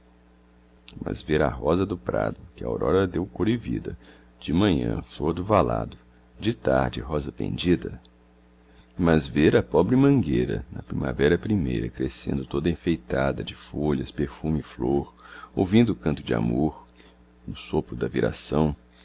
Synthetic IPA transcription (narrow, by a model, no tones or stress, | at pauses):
mɐ̰zveɾa̰ɦɔzɐd̪ʊpɾa̰d̪ʊkɪɐa̰wɾʔɔɾɐd̪ewkoɾivḭd̪ɐ | d͡ʒɪmɐ̃ɲɐ̰̃floɾd̪ʊvala̰d̪ʊ | d͡ʒɪt̪aɾd͡ʒɪɦɔzɐpḛ̃nd͡ʒid̪ɐ | mɐzveɾɐpɔbɾɪmɐ̃ŋɡejɾɐ̰nɐpɾḭ̃ma̰vɛɾɐpɾimejɾɐkɾesḛ̃nd̪ʊt̪od̪ɐĩfejt̪ad̪ɐd͡ʒɪfoʎɐspeɾfũmɪfloɾowvĩnd̪ʊkɐ̃nt̪ʊd͡ʒɪa̰moɾ | nʊsopɾʊd̪ɐviɾa̰sɐ̃w̃